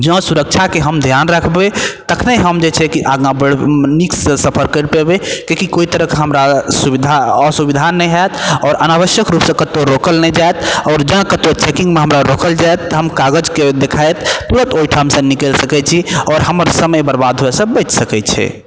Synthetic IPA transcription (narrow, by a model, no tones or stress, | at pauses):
d͡ʒə̃suɾək̚t͡ʃʰakeɦəmd̪ʱjanɾəkʰbet̪əkʰnəɦəmd͡ʒet͡ʃʰɛkiʔaɡãbəɽnikssəpʰəɾkəɾpebekekikoit̪əɾəɦkɦəmɾasubid̪ʱaəsubid̪ʱanɛjɦajt̪ɔːɾənabəʃjəkɾupsə̃kət̪oɾokəlnɛd͡ʒaɛt̪ʰɔːɾd͡ʒãkət̪ot͡ʃekĩŋɡmeɦəmɾaɾokəld͡ʒaet̪ːəɦəmkaɡəd͡ʒked̪ekʰajt̪t̪uɾə̃t̪ojʈʰamsə̃nikəlsəkɛt͡ʃʰiɔːɾɦəməɾsəməjbəɾbad̪ʱɦoesə̃bəʈsəkɛt͡ʃʰɛ̰